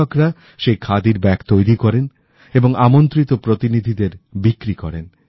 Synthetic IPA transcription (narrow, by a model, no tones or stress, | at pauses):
okɾa | ʃejkʰad̪iɾbɛkt̪ojɾikɔɾen | eboŋamont̪ɾit̪opɾot̪inid̪ʱid̪eɾbikɾikɔɾen